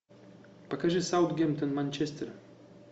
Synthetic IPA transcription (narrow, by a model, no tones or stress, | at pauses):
pakaʐɛsawd̪ɡʲɛmt̪ɔnmanʲt͡ɕɛst̪ɛɾ